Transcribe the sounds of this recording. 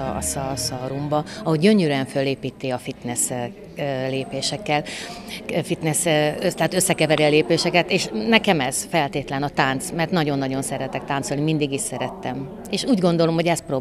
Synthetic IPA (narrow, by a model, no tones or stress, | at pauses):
sɒsɒɾumbɒɒhoɟɟø̞ɲøɾyɛɱfølːeːpiːt̪ːeːɒfit̪nɛs | leːpeːʃɛkːɛl | fit̪nɛsøt̪ɛaːt̪øsːɛkɛvɛɾiɒleːpeːʃɛkɛt̪eːʃnɛkɛmɛz̥fɛlt̪eːt̪lɛnɒt̪aːnt̪smɛrt̪nɒɟo̞nːɒɟo̞nsɛɾɛt̪ɛk̚t̪aːnt̪so̞lnimind̪iɡiʃsɛɾɛt̪ːɛm | eːʃuːɟɡo̞nd̪o̞lo̞mho̞ɟɛst̪proː